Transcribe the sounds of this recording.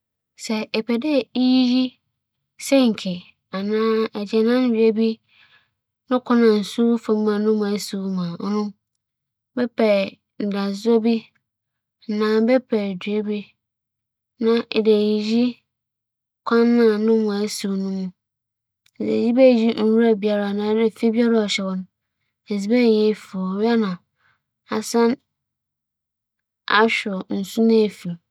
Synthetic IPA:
sɛ˨ɛ˨pʰɛ˨dɛ˦i˦ji˦ji˦ | sɛ̃˦ŋ̩˨kʰɪ˨ | a˨nãː˦ɛ˨d͡ʑɛ˨nã˦n˦dᶣɥe˦bi˦ | nʊ̃˦kʰɔ˦nã˨n̩˨su˦fã˨m˦mã˨nʊ̃˦m˨ã˨˦su˨˦mã˨ɔ˦nʊ̃˦ | bɛ˦pʰɛ˨ | n̩˨da˨zɔ˦bi˦ | n̩˨nãː˦bɛ˦pʰɛ˨dɥe˦bi˦ | nã˨ʔde˨ji˨ji˦ | kʷʰã˦nːã˦˨nʊ̃˦mʊ̃˨a˨˦su˨nũ˦mũ˦˨ | dḛ˨ji˦bɛ˦˨ji˦n̩˦wu˦ɾa˨bi˨a˨ɾa˨nã˨˦dɛ˨fi˦bi˦a˦ɾa˦ɔ˨ɕɛ˨wɔ̃˨ñ˦ | e˨zi˨˦bɛ˦˨jɛ˦˨fi˨ɔ˨ɥa˦nã˨ | a˨sã˦n | a˨ɕᶣʊ˨n̩˨sũ˦nã˦e˨fi˨

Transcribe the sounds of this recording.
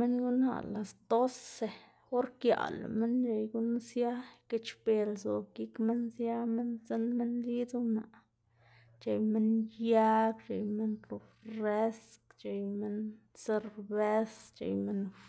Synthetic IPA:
me˦ŋɡu˦na̰˨la˨sd̪o˦se˨ | o˦ɾkja̰˨la̰˨me˦nt͡ʃe˨jɡu˦nsja˦ke˦t͡ʃbe˨lzo˨ki˦kme˦nsja˦me˦nze˦nme˦nli˦t͡su˦na˨ | t͡ʃe˨jme˦nja˦bt͡ʃe˨jme˦nɾu˨fɾe˦skt͡ʃe˨jme˦n | se˧ɾbe˦st͡ʃḛ˨jme˦n

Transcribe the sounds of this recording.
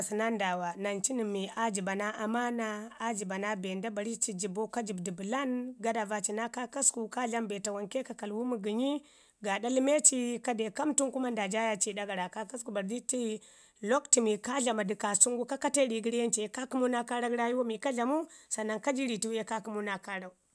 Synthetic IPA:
si˨na˦nda˨wa˨na˨nt͡ʃi˦ni˨mːi˨a˦d͡ʒi˨ba˨na˦ʔa˨ma˦naː˦d͡ʒi˨ba˨na˦be˨nda˦ba˨ɾi˦t͡ʃi˨d͡ʒi˨bo˦ka˦d͡ʒi˨bdi˨bu˨la˦nɡa˦da˨va˨t͡ʃi˨na˦ka˦ka˦sku˨ka˦ɮa˦mbe˨ta˨wa˨nke˦ka˨ka˨lwu˦mu˨ɡi˨ɲi˦ | ɡa˨da˦li˦me˦t͡ʃi˦ka˦de˨ka˦mtu˦ŋku˦ma˦nda˨d͡ʒa˦ja˦t͡ʃi˦da˦ɡa˨ɾa˨ka˦ka˦sku˨ba˨ɾdi˦ti˦ | lo˦kti˨mi˨ka˦ɮa˨ma˨di˨ka˨su˦ŋɡu˦ka˦ka˦te˦ɾi˨ɡi˦ɾje˦nt͡ʃi˨˦ka˦ku˦mu˦na˦ka˦ɾa˦ɡɾa˦ju˦wa˦mi˨ka˦ɮa˨mu˦sa˨na˦ŋka˦d͡ʒi˦ɾi˨ti˦wje˦ka˦ku˦mu˦na˦ka˦ɾa˦u˦

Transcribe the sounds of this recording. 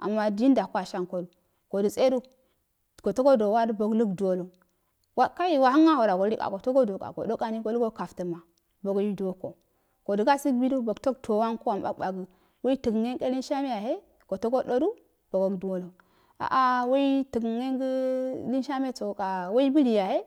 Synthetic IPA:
a̰˨mːa˦di˦nda˨ku˦a˨ʃa˦ŋko˦du˨ | ko˨du˨se˦du˦ | ko˨to˦ɡo˦do˨wa˦ɾbo˨ɡlu˦ɡdu˨wo˦lo˨ | wa˦ka˦ji˨wa˨ha˦ŋa˦ho˨ɾa˨ɡo˨˦ɾi˦ka̰˨ɡo˨to˦ɡo˦do˨ka̰˨ɡo̰˨do˦ka˨ni˦ɡo˦lu˦ɡo˦ka˨ftə˨ma˨ | bo˨ɡji˦du˨o˦ko˨ | ko˨du˨ɡa˦si˦kbi˦du˦bo˨ɡto˦ktʰo˨wa˦nku˦wa˨mba̰˦kba˨ɡə˨ | wo˦i˦ti˨ɡŋe˦ŋke˦li˦nʃa˦me˦ja˨ɦe˦ | ko˨to˦ɡo˦ɗo˦du˦ | b̥o˨ɡo˨ɡdu˨wo˦lo˨ | a̰˨ʔa˦wo˦i˦tə˨ɡŋe˦ŋɡə˦li˦nʃa˦me˦t͡so˨ka˨wo˦i˦bi˦li˨ja˨he˦

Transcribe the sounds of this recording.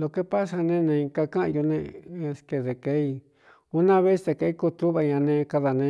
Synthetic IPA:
lo˧ke˦pa˦sa˧nẽ˦nẽ˧ĩ˧ka˧kã˦ʔjo˧nḛ̃˧ske˨ðe˨ke˦i˧ | u˧˦nã˦βe˦st̪e˧˨ke˧i˦ku˦˧t̪u˦βa˧ɲã˧nẽ˧ka˧ða˨nẽ˧

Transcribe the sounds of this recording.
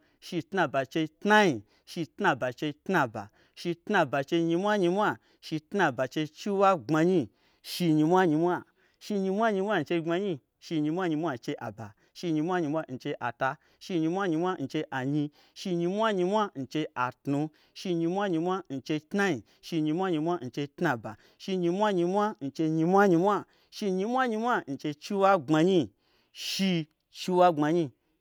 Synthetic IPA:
ʃi˧tna˧ba˨t͡ʃe˧tna˦ɲi˧ | ʃi˧tna˧ba˨t͡ʃe˧tna˧ba̰˨ | ʃi˧tna˧ba˨t͡ʃe˧ɲi˧mʷ˦a˦ɲi˧mʷ˦a˦ | ʃi˧tna˧ba˨t͡ʃe˧t͡ʃi˦wa˦ŋ͡ma˧ɲĩ˦ | ʃi˧ɲi˧mʷa˦ɲi˧mʷ˦a˦ | ʃi˧ɲi˧mʷa˦ɲi˧mʷ˦a˦n̩˧t͡ʃe˧ŋ͡ma˧ɲi˦ | ʃi˧ɲi˧mʷ˦a˦ɲi˧mʷ˦a˦˨t͡ʃe˧˦ʔa̰˨ba˨ | ʃi˧ɲi˧mʷ˦a˦ɲi˧mʷ˦a˦n̩˧t͡ʃe˧˦ʔa˨ta˧ | ʃi˧ɲi˧mʷ˦a˦ɲi˧mʷ˦a˦n̩˧t͡ʃe˧ʔa˨ɲĩ˧ | ʃi˧ɲi˧mʷ˦a˦ɲi˧mʷ˦a˦n̩˧t͡ʃe˧ʔa˨tnu˧ | ʃi˧ɲi˧mʷ˦a˦ɲi˧mʷ˦a˦n̩˧t͡ʃe˧tna˦ɲi˨ | ʃi˧ɲi˧mʷ˦a˦ɲi˧mʷ˦a˦n̩˧t͡ʃe˧tna˧ba̰˨ | ʃi˧ɲi˧mʷ˦a˦ɲi˧mʷ˦a˦n̩˧t͡ʃe˧ɲi˧mʷ˦a˦ɲi˧mʷ˦a˦ | ʃi˧ɲi˧mʷ˦a˦ɲi˧mʷ˦a˦n̩˧t͡ʃe˧t͡ʃi˧˦wa˦ɡ͡ba˧ɲĩ˦ | ʃi˧ | t͡ʃi˧wa˦ŋ͡ma˧ɲi˧

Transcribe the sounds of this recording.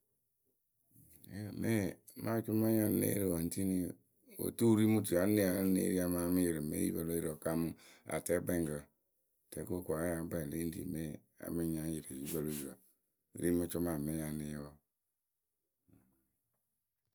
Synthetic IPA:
me˦ | ma˦t͡ʃu˦ma˦ja˦n˦ḛ˦ɾi˦˨wo˨n˨ti˦ni˦ | wo̰˨tu˦ɾi˦mu˦ti˨a˨˦ne˦a˨˦nḛ˦ɾi˦a˦ma˦mi˦ji˨ɾe˨mḛ˦ḭ˦ba˨lo˦i˦ɾo˨ka˦mu˦a̰˨te˦be˦ŋ˨ɡɔ˨ | te˨˦ko˦ko˨a˨˦ja˨˦ba˦˨le˦n˦dḭ˨me˦ | a̰˨˦mi˦ɲa˦ji˨ɾe˨ji˦ba˨lo˦i˨ɾo̰˨ | ɾi˦ma˦t͡ʃo˦ma˨me˦ja˨ni˨jwo˦˨

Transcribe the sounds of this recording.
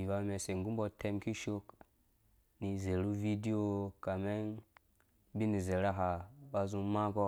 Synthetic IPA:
i˨va˨˦me˨se˨ŋɡu˦mbɔ˨te˦mki˦ʃo˦k | ni˨ze˨ɾu˦vi˦di˦o˨ka˨me˦n | bi˦ni˨ze˨ɾa˦ɦa˨ba˨zũ˦ma˦ɡɔ˦

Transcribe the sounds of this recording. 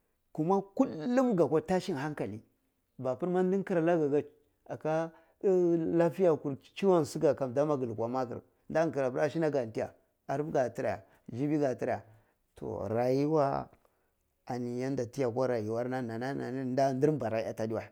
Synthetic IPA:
ku˦ma˦ku˦lːu˦mɡa˨kʷa˦ta˦ʃi˦nɦa˦ŋka˨li˦ | ba˨pi˦ɾma˦n˦di˦ŋ˦ki˦ɾa˨la˦ɡa˨ɡa˦ | a˨ka˦ | la˦fi˦ja˨ku˨ɾt͡ʃi˦wa˦n˨si˦ɡa˨ka˨mda˦ma˦ɡi˨lkʷa˨ma˦kḭ˨ɾ | nda˦˨ki˨ɾa˨bɾa˦ʃi˦na˦ɡa˨n˨ti˦ja̰˨ | a˨ɾɡa˨ti˦ɾa˨a̰˨ | d͡ʒi˦bi˦ɡa˨ti˦ɾa˦˨ja̰˨ | tʰo̰˨ɾa˨ji˦wa̰˦ | a˨ni˨ja˦n˦da˨ti˦ja˨ka˦ɾa˨ji˨wa˦ɾna˦na˨na˦na̰˨n˦n˦da˦˨ndi˦ɾba˨ɾa˨i˦a˨ta˦di˦wa˨

